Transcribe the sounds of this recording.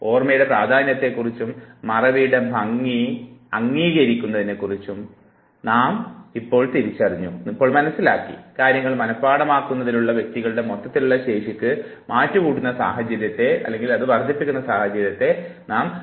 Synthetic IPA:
o̞ːrmɐjuɽe̞praːd̪ʱaːnjɐt̪ːe̞kːurit͡ɕːumːɐrɐʋijɽe̞bʱɐŋːiɐŋːiːɣɐɾikʲːunːɐðinːe̞kːurit͡ɕːum | naːmipːo̞ːɭt̪iɾit͡ɕːɐriɲːuipːo̞ːɭmɐnɐsːilaːkːḭkaːɾjɐŋːɐɭmɐnɐpːaːɽɐmaːkːunːɐðinuɭːɐʋje̞k̚t̪iɣɐɭɨɽe̞mot̪ːɐt̪ːiluɭːɐɕe̞ːʂikʲːɨmaːtːukuːɽunːɐsa̰ːɦɐd͡ʑɐɾjɐt̪ːe̞ɐ̰lːe̞ŋɡilɐðɨʋɐrd͡ʑ̪ʱipːikʲːunːɐsaːhɐd͡ʑɐɾjɐt̪ːe̞naːm

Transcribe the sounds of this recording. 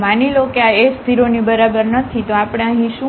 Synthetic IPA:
manilokeaest̪ʰiɾonibəɾabəɾnət̪ʰit̪oapɽ̃ẽəɦĩʃũ

